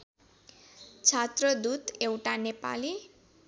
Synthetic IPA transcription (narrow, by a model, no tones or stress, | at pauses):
t͡sʰat̪ɾʌd̪ut̪ewʈanepa̰li